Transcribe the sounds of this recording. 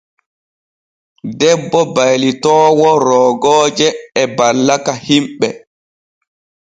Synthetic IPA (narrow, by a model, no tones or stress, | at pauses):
dɛbːɔbajlitɔːwɔɾɔːɡɔːd͡ʒɛːbalːakahimɓɛ